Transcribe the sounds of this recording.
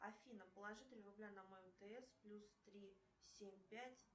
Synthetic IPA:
ɐfʲinəpəlˠɐʐɨt̪ʲɪɾʲrʊblʲanɐmoəmt̪əɛsplʲust̪ɾʲi | sʲemʲpʲætʲ

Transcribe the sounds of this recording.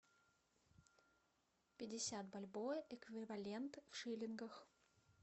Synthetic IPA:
pʲɪdʲɪsʲat̪bɐlʲbojʔɛkvʲɪvɐlʲent̪fʂɨlʲɪnɡəx

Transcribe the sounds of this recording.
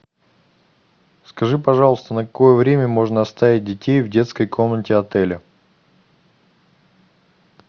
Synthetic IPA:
skɐʐɨpɐʐɑlˠəst̪ənəkɐko̞jəvɾʲemʲəmo̞ʐnəɐst̪avʲɪt̚ʲdʲɪtʲejvdʲe̞t̪skəjkʰo̞mnətʲɪɐt̪ɛlʲə

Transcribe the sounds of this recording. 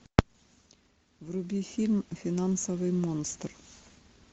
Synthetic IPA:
vrʊbʲifʲilʲmfʲɪnansəvɨjmonst̪r

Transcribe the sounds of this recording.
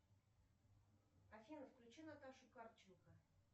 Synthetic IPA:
ɐfʲinəfklʲʉt͡ɕinat̪aʂʊkart͡ɕɪnkə

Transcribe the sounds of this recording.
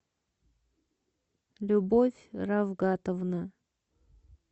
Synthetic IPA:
lʲʊbofʲravɡat̪əvnə

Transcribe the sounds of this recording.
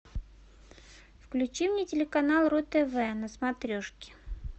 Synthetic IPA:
fklʲʉt͡ɕimnʲetʲɪlʲɪkɐnalˠrot̪ɛvɛnəsmat̪ɾʲoʂkʲɪ̥

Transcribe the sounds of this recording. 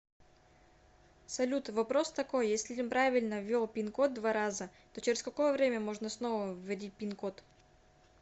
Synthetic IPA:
sɐlʲut̪vɐpɾo̞st̪ɐko̞jjesʲlʲimpɾavʲɪlʲnəvʲːelˠpʲɪnko̞t̪̚d̪vaɾazət̪o̞t͡ɕɪɾʲɪsʲkɐko̞jəvɾʲemʲəmo̞ʐnəsno̞vəvːɐdʲit̚ʲpʲinkot̪

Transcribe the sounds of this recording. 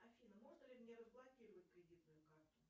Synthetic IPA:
ɐfʲinəmo̞ʐnəlʲɪmʲnʲeɾəzblˠɐkʲiɾəvətʲpɾʲɪdʲit̪nʊjʊkart̪ʊ

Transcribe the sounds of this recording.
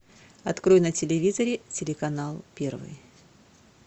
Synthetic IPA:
ɐt̪kɾojnətʲɪlʲɪvʲizəɾʲɪtʲɪlʲɪkɐnalˠpʲe̞rvɨ̰j

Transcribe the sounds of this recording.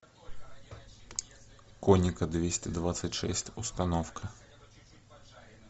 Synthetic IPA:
kɔnʲɪkɐd̪vʲesʲtʲɛd̪vat̪sɨtʲʂɛ̰sʲtʲust̪ɐnɔfkɐ

